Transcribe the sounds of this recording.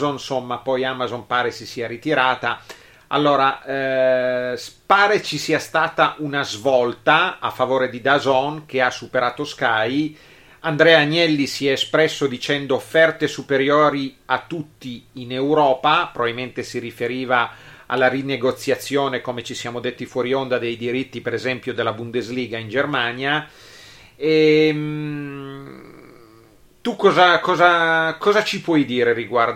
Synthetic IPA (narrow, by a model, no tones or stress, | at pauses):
zonsomːapɔjamazompaːɾesisiːaɾit̪iɾaːt̪a | a̰lːoːɾa | spaːɾet͡ʃisiːast̪aːt̪aʔunazvɔlt̪aa̰fːavoːɾed̪id̪azɔnk̟easːupeɾaːt̪oskaj | and̪ɾɛːaɲɛlːisiɛespɾɛsːod̪it͡ʃɛnd̪oːfːɛrt̪esupeɾjoːɾiat̪ːut̪ːiːnewɾɔːpapɾobaviliment̪esiɾifeɾiːva | a̰lːarineɡot̪sːjat̪sːjoːnekomet͡ʃisjaːmod̪et̪ːifwɔɾiond̪ad̪ejd̪iɾit̪ːipeɾezɛmpjod̪elːabund̪ezliːɡaind͡ʒermanja | ɛm | t̪ukːɔːzakɔːzakɔːzat͡ʃipwɔjd̪iːɾeɾiɡwar